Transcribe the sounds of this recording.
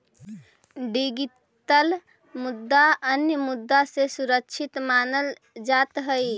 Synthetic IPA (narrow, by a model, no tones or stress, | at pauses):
ɖiɡi | təl | mud̪ːaənjəmud̪ːasesuɾəkt͡ʃʰit̪manəl | d͡ʒat̪ɦəj